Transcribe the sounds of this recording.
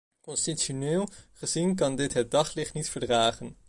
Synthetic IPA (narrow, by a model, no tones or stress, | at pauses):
kɔnstitonɪːlˠχəzink̬ɑndɪtɦət̚dɑχlɪχtnitfəɹdraːχən